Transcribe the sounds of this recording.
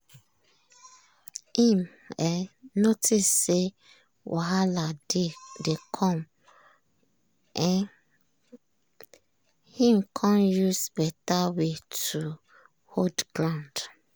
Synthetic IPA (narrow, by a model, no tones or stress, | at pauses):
hĩm | ɛnotʰisːe | wʔaɦaladekʰɔ̃m | ɛn | hĩmkʰãnjusbɛtawetu | hodɡɹãʊ̃nd